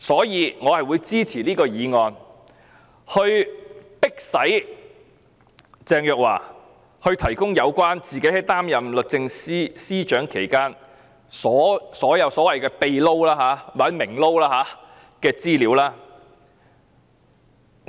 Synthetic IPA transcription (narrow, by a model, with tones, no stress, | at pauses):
sɔː˨˥jiː˨˧ŋɔː˨˧hɐ˨jwu˨˧jt͡siː˥t͡sʰiː˨˩liː˥kɔː˧jiː˨˧ŋɔː˨˧n | hɵ˧ɥpɪ˥k̚sɐ˨˥j | t͡sɛː˧ŋjœː˨k̚wa̰ː˨˩ | hɵ˧ɥt̪ʰɐ˨˩jkʊ˥ŋjɐ˨˧wkʷaː˥nt͡siː˨ke˨˥hɐ˨˩jt̪aː˥mjɐ˨mlɵ˨k̚t͡sɪ˧ŋsiː˥siː˥t͡ʃœː˨˥ŋkʰe˨˩jkaː˥n | sɔː˨˥sɔː˨˥jɐ˨˧wsɔː˨˥wɐ˨˩jkɛː˧pe˨˧jlo˥wlaː˥ɦaː˨˥wɐ˨˥mɪ˨˩ŋlo˥wlaː˥haː˨˥ | kɛː˧t͡siː˥liː˨˧˥wlaː˥